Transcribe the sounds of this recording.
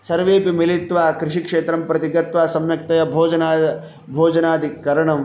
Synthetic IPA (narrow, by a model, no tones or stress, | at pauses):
sɐɾʋeːpimilit̪ʋaːkɾɪʂikʂeːt̪ɾɐmpɾɐt̪iɡɐt̪ʋaːsɐmjɐk̚t̪ɐjɐbʱoːd͡ʒɐnaː | bʱoːd͡ʒɐnaːd̪ʱikɐɾɐɳɐm